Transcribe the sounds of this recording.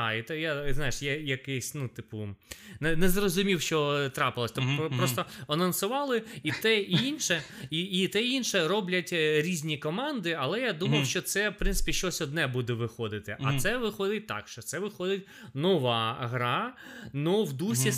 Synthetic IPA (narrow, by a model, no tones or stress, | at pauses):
it̪ɛjaznɑjɪʂjajɐkɛsʲnut̪ɪpʊnɛnɛzrɔzʊmʲiwʃt͡ʃɔt̪ɾɑpɪlˠɐsʲt̪ɔpɾɔst̪ɔɐnɐnsʊʋɑlˠɪit̪ɛinʃɛiit̪ɛinʃɛɾɔblʲɐtʲɾʲizʲnʲikɔmɑnd̪ɪɐlˠɛjad̪umɐwʃt͡ʃɔt̪sɛwpɾɪnsɪ̥pʲiʃt͡ʃɔsʲɔd̪nɛbud̪ɛʋɪxɔd̪ɪt̪ɪʔɐsɛʋɪxɔd̪ɪt̚ʲt̪ɑ̰kʃt͡ʃɔt̪sɛʋɪxɔd̪ɪtʲ | nɔʋɑɦɾɑnɔwd̪usʲi